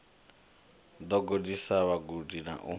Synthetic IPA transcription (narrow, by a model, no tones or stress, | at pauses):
d̪ɔɡodisaβaɡudina̰ʔu